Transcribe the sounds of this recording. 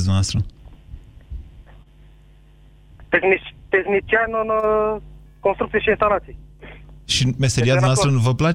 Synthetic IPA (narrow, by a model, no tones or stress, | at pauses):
znast̪ɾu | t̪eknit̪exnit͡ʃianono | kõnst̪ɾuk̚t͡s̪iʃĩnst̪alasi | ʃimeseɾiaznasɾunũvɐpla